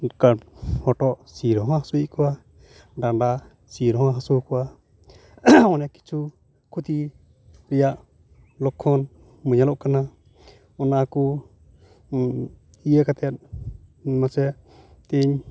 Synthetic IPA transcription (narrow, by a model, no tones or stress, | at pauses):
kahɔʈɔʔsiɾɔɦãhasuiʔkɔwa | ɖaɖa | siɾɔɦɦasukɔa | mɔnɛki̥t͡ʃʰu | kʰut̪i | ɾijaʔ | lɔkʰːɔn | məɲalɔʔkana | ɔnaku | iekat̪ɛt̪̚ | masɛ | t̪iɲ